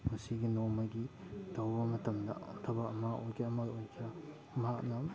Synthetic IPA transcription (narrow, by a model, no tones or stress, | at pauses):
mɐsiɡinomɐɡitɐwbɐmɐtɐmdɐtʰɐbaɐmɐʔojkeɐmɐojkʰɐ | mɐhak̚nɐ